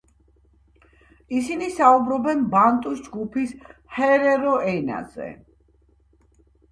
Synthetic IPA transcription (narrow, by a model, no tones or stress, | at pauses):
isinisaubɾɔbɛnbant̪ʼusd͡ʒɡupʰishɛɾɛɾɔʔɛna̰zɛ̰